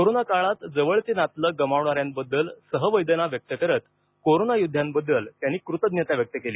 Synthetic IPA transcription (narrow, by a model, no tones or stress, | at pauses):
koɾonakaɭat̪d͡zəʋəɭt͡senat̪ləɡəmaʋɳaɾjambəd̪ːəlsəɦəʋəjd̪ənaʋjək̚t̪əkəɾət̪ | koɾonajud̪ʱjambəd̪ːəlt̪janːiːkɾut̪əd̪njət̪jaʋjək̚t̪əkeliː